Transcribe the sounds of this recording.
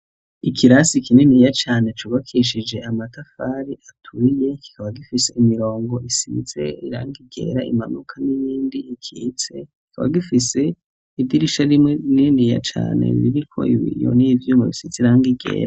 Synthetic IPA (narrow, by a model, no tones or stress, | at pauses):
ikʰiɾasikinenijat͡ʃaːne̞t͡ʃuβakʰiʃ̬id͡ʒe̞ʔamatafaːɾiatʰuije̞ki̥kʰaβaɡifise̞ʔimiɾo̞ːŋɡo̞ʔisḭz̥e̞̰iɾa̰ːŋɡiɡe̞̰ːɾaḭmanukʰanijiːndiːkʰit͡se̞ki̥kʰaβa̰ɡifise̞ | ivdiɾiʃaɾimeninija̰t͡ʃa̰ːne̞̰βiɾikʰo̞̰iβḭjo̰nivjuːmɡaβisizeiɾaːŋɡiɡe̞̰ːɾa